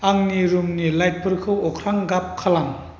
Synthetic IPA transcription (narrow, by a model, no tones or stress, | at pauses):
aŋniɾumnilajt̚pʰɯɾkʰɯwɔkʰɾaŋɡap̚kʰalaŋ